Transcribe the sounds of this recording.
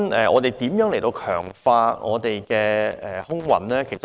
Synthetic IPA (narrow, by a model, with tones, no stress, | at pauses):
nʔɛ̰ː˨ʔɔ̰ː˨˧t̪e˨jt̪iː˨˥mjœː˨˥ŋle˨˩jt̪o˧wkʰœː˨˩ŋfaː˧ŋʔɔ̰ː˨˧t̪e˨jkɛː˧ɛː˨˩hʊ˥ŋwɐ̰˨˩nlɛː˥kʰe˨˩s